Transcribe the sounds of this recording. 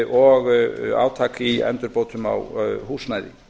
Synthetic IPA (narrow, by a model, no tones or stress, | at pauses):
ʔɔɣa̰ːwt̪ʰaːkiɛ̰nt̪ʏɾpoːwt̪ʏma̰whuːsnajɾɪ̰